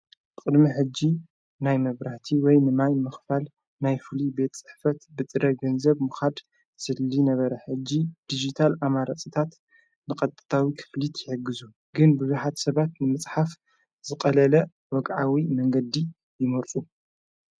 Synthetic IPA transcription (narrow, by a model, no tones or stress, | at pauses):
kʼɨd̪miħɨd͡ʒːi | najmɐβɾaht̪ʰiwɔjnɨmajmɨxfal | najfɨlibe̞t̪t͡sʼɨ̥ħfɐt̪bɨt̪ʼɨɾɐɡɐnzɐβmɨxad̪ | sɨlːinɐβɐɾɐħɨd͡ʒːid̪̥id͡ʒit̪ʰalamaɾat͡sʼit̪ʰat̪ | nɨkʼɐt̪ʼɨt̪ʰawikʰɨ̥flit̪jɪħɨɡːɨzu | ɡɨnbɨzuħat̪sɐβat̪nɨmɨt͡sʼħaf | z̥ɨkʼɐlɐlɐ | wɔɡʕawimɐŋɡɐd̪i | jɪmɐɾt̪ʼu